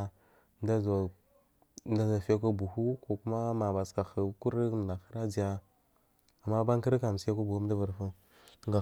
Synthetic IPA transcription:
da˦z | nda˦za˨fa˦k̬o˦bu˨hu˦ko˨ku˦ma˦ma˨ba˨ska˨xə˨ku˦ɾi˦m˨na˨xi˦ɾa˦d͡ʒi˨ja˦ | a˨mːa˦ba˦ŋ˦ki˦ɾka˨m˨si˦a˦ku˦bu˨hu˦m˦da˦və˨ɾfu˦ | ŋɡa˨

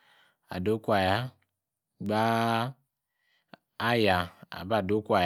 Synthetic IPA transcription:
a̰˨do˦ku˦a˨ja˦ | ɡ͡ba˦ | ja˨a̰˨ba˦˨do˦kʷa˨j

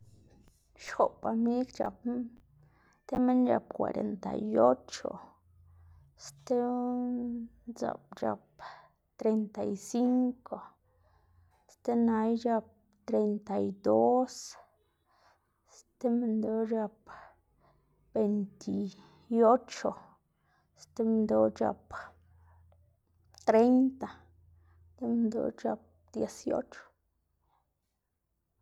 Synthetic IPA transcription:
ʃxo˨pfa˨mi˦ld͡ʒa˨p | t̪e˦me˦nd͡ʒa̰˨p̚kwa̰˨ɾḛ˨nt̪a̰˨jo˦t͡ʃo̰˨ | st̪e˦ | nza̰˨pd͡ʒa̰˨p̚ | t̪ɾe˨nt̪a˨jsi˦ŋko˨ | st̪e˦na˧˦jd͡ʒa˧p̚ | t̪ɾe˨nt̪a˨jd̪o˦s | st̪e˦me˧nd̪o˧˦d͡ʒa˧p | b̥e˨jnt̪ʰi˨ | o˦t͡ʃo˨ | st̪e˦m˧nd̪o˧˦d͡ʒa̰˧p | t̪ɾe˦jnt̪a˨ | t̪e˦m˧nd̪o̰˨˦t͡ʃa̰˧p̚d̪̥je˨sjo̰˦t͡ʃo̥˨

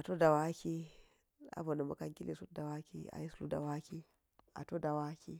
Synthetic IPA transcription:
a˨to˦da˨wa˦kʲi˦ | a̰˦bo˨na˨ma̰˨ka˦ŋkʲi˦le˨su˦t̚da˨wa˦kḭ˦a̰˨ji˦slu˦da̰˨wa˦kʲi˦ | a̰˨to˦da˨wa˦kʲḭ˦

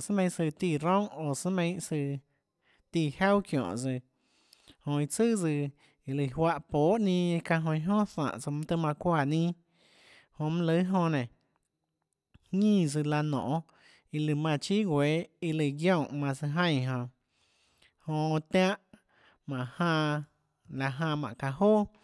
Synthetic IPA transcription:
sɨ˦mẽ˧˦˧sɨ˧t̪i˧˨ɾõ˦ŋo˨sɨ˦mẽ˧jsɨ˧ | t̪i˧˨ha˦wkjɔ̰̃˨t͡sɨ˧ | hõ˧i˧t͡sɨ˦˨t͡sɨ˧ | i˧lɨ˧˨hwa˧ʔpoː˨˦ʔnĩ˧kã˧ɦõ˧ĩ˧ɦõ˦sã̰˧˨ʔt͡sɨ˧mã˧t̪ɨ˧mã˧kʷa˧˨nĩː˦ | hõ˧mã˦lɨ˧˦ɦõ˧nẽ˨ | hŋĩː˦˧s̬ɨ˧la˧nɔ̰̃ː˨ʔ | i˧lɨ˧˨mã˧t͡ʃi˦ɡʷe˨˦i˧lɨ˧˨ɡjõ˧˨mã˧sɨ˧ɦə̃˦˧j̃ɦõ˧ | hõ˧t̪ã˦ʔ | mã˨ʔhã˧ | la˧ɦã˧mã̰˨ʔka˧hoː˦

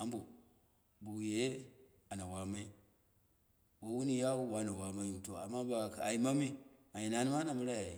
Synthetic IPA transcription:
a˨˦mbu˨ | bu˨wje˨˦ | a˨na˨wa˨ma˦i˦ | wo˦wu˦ni˦ja˦wu˦wa˦na˨wa˨ma˦ju˨to˨a̰˨mːa˦ba˨a̰˨i˨ma˦mi˦a˨ji˨na˨ni˦ma˦na˨mu˦ɾa˦ja˨i˨

